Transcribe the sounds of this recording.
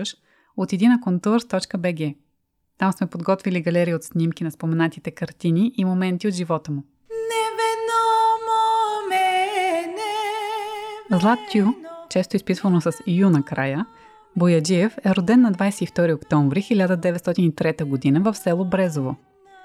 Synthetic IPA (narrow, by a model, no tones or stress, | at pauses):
ʃ | ot̪ɛd̪inɐkont̪uɾst̪ɔt͡ʃkəbɛɡʲɛ | t̪amsmɛpod̪ɡɔt̪viliɡɐlɛɾiəot̪snʲimkinɐspomɛnat̪it̪ɛkɐɾt̪iniʔimomɛnt̪iot̪ʒivɔt̪əmu | nɛvɛnɔmomɛnɛ | zlˠat̪ːʲjut͡ʃɛst̪oispit̪vənosəsjunɐkɾa̰jə | bojɐd͡ʒiɛfɛɾod̪ɛnːɐd̪vajsɛift̪ɔɾiokt̪ɔ̃ɱvɾixilʲad̪əd̪ɛvɛt̪st̪ɔt̪init̪ɾɛt̪əɡod̪inəvɐfsɛlˠobɾɛzovo